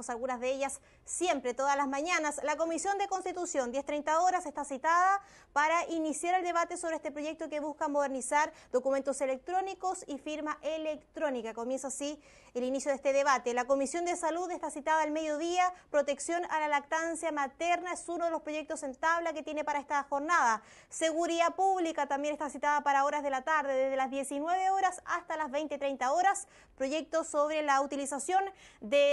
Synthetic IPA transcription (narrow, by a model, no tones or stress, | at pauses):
salɣunazðeeʝasː | jempɾet̪oðalazmaɲanaslako̞misjo̞nd̪eko̞nst̪it̪usjo̞nd̪jeht̪ɾejnt̪aoɾasest̪asit̪aða | paɾaʔinisjaɾe̞ld̪e̞βat̪e̞so̞βɾeest̪epɾo̞ʝe̞k̚t̪okeβuskamo̞ð̞e̞ɾnisaɾd̪o̞kume̞nt̪ose̞lek̚t̪ɾo̞niko̞sifiɾmaʔelekt̪ɾo̞nikako̞mje̞nsasi | elinisjoð̞est̪eðeβat̪elako̞misjo̞nd̪esaluðest̪asit̪aðaelme̞ðjo̞ðiapɾo̞t̪e̞ksjo̞nalalak̚t̪ansjamat̪eɾnaesunoðelospɾo̞jʝe̞k̚t̪ose̞nt̪aβlaket̪jenepaɾaest̪axo̞ɾnaða | seɣuɾiðapuβlikat̪ambje̞nest̪asit̪aðapaɾao̞ɾazðe̞lat̪aɾðeðezðelazðje̞sinwe̞βeoɾasa̰st̪alazβejnt̪et̪ɾejnt̪aoɾas | pɾo̞ʝe̞k̚t̪osoβɾelaut̪ilisasjo̞nd̪e